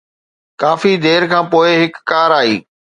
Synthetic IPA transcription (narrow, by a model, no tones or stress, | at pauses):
kaːfid̪eːɾkʰãːpoːɪɦɪkːaːɾaːḭː